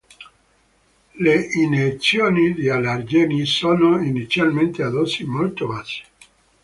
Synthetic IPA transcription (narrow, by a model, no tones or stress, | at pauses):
leinet̪sːjoːnid̪ialard͡ʒɛːnisoːnoinit̪sjalment̪ead̪osimolt̪obase̥